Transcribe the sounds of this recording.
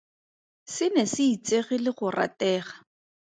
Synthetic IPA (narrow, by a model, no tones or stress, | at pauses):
sɪnɛsɪit͡seɣɪlɪχʊra̰tɛːχḁ